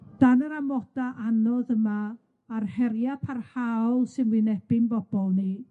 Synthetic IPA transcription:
d̥anəɾamɔdaʔanɔðəmaː | rhɛrjapʰarhawlˠsɨnwinɛb̥ɪnbɔb̥ɔlˠni

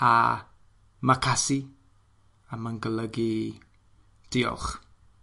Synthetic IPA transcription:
a̰ | makʰasi | aməŋɡələɡi | d̥iɔ̰χ

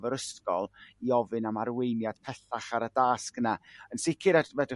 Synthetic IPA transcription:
vəɾəskɔlˠiɔvɨnamaɾwejnjad̥pʰɛɬaχaɾədaːsknaənsɪkʰɨɾɛtvɛdɪ

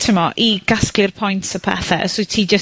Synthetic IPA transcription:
tʰɪmɔʔʔiɡ̥asklˠɪrpʰɔjntʰsəpʰɛ̰θɛsʊtʰiːd͡ʒə

